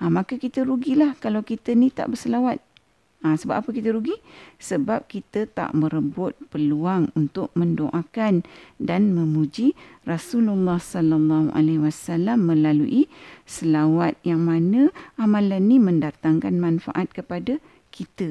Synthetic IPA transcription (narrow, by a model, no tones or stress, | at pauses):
amãkəkit̪əɾuɡilahkalawkit̪ənit̪a̰ʔbərsəlawat̪̚ | asəba̰p̚apəkit̪əɾuɡisəbap̚kit̪ət̪a̰ʔmə̃ɾəbʊt̪̚pəluaŋunt̪ʊk̚mə̃ndoʔakandanmə̃mud͡ʒirasululːahsɔlalːɑhuʔa̰lewasalamːə̃laluʔisəlawat̪̚jaŋmanə̃amãlanːimə̃ndat̪aŋkanmãnfa̰ʔat̪̚kəpada | kʰit̪ə